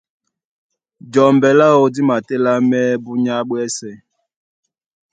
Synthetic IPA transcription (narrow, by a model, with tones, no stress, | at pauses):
d͡ʒɔ˨mbɛ˨la˦o˦di˦ma˨tɛ˦la˦mɛ˦bu˦ɲa˦ɓwɛ˦sɛ˨